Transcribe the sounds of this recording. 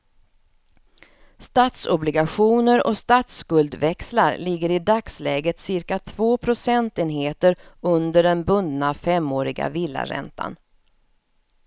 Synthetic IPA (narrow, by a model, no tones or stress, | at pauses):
st̪aːt̪sɔblɪɡaɧuːnəɾɔ̰st̪at̪skɵld̪vɛkslaɾlɪɡːəɾɪd̪akslɛːɡət̪sɪɾkat̪ʰv̥oːpʰɾʊsɛnt̪eːnɦeːt̪əɾɵnd̪əɖɛnbɵnd̪nafɛmːoːɾɪɡa̰vɪlːa̰ɾɛ̰nt̪ʰa̰n